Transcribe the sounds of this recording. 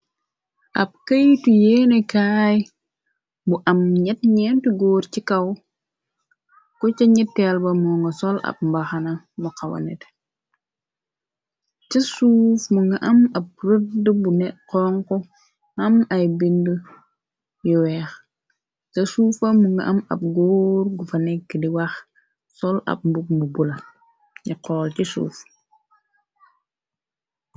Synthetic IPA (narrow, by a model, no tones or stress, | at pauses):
ʔɐp̚kɐjtujɛːnɛkaːj | buʔɐmɲɛt̚ɲɛntuɡɔːɾcikɐw | kɔcɐɲitːɛlbɐmɔːŋɡɐsɔlɐ̰p̚mbaxɐnɐ | muqɐwɐ̰nɛ̰t | t͡ʃɐsuːfmuŋɡɐʔɐmɐp̚ɾətdəbunɛʔqɔːŋko | amajbində | jiwɛx | sɐsuːfamuŋɡa̰ʔama̰p̚ɡoːɾɡufanɛkːidiwax | sɔla̰p̚mbuk̚mubula | ɲiqɔːlt͡ʃisṵːf